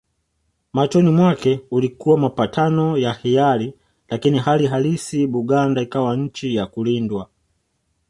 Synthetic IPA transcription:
mat͡ʃɔnimwakɛulikuwamapatʰanɔjahijali | lakiniɦaliɦalisiɓuɠandaikawaɲ̩t͡ʃijakulindwa

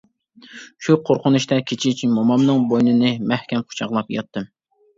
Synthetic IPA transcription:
ʃuqʰoɾqʊnuʃt̪ɛkʲʰet͡ʃʰit͡ʃʰimomɑmnɨŋbojnɨnɨmɛhkʲɛmqʰʊ̥t͡ʃʰɑʁlˠɑpjɑt̪ːɨm

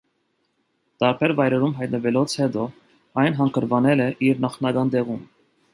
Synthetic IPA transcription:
t̪ɑɾpʰɛɾvɑjɾɛɾumɦɑjt̪nəvɛlɔt͡sʰhɛd̪ɔ | ɑjnɦɑŋkʰəɾvɑnɛlɛʔiɾnɑχnɑɡɑnd̪ɛʁum

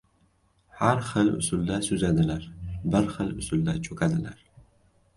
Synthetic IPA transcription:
ħarχəlʊ̰sʊld̪asuzad̪ɨlarbɨrχəlʊ̰sʊld̪at͡ʃʰʼokʰad̪ɨlar

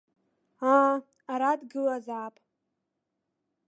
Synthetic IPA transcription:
a | aɾadɡɨlazaːpʼ

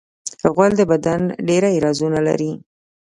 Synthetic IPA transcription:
əɣwald̪əbad̪anɖeɾaiɾɑzunala̰ɾi

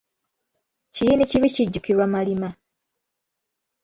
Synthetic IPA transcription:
cijiniciβiciɟːukiɾwamalima

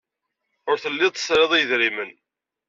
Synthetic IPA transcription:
ʊɾθəlːɪðˤə̥sɾeðˤijəðɾimən

